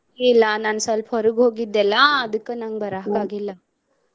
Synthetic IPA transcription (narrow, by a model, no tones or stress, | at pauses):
ilːɐnaːnɐsɐlpɦɔɾuɡɦoːɡid̪ːɛlːɐɐd̪ɨkːenɐŋɡbɐɾaːkaːɡilːɐ